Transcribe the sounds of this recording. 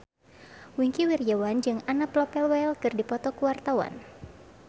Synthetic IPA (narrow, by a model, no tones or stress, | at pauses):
wiŋkiwirjawand͡ʒɨŋanaplɔpɛlwɛlkɨrdipɔt̪ɔkuwart̪awa̰n